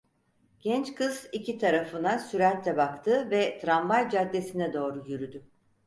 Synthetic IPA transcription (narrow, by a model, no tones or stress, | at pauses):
ɟ̥ɛnt͡ʃkʰɯz̥icʰit̪ʰaɾafɯnasyɾæɾt̪ʰːɛbakt̪ʰɯvɛt̪ʰɾanvajd͡ʒad̪ːe̞sinɛd̪o̞ːɾujyɾyd̪y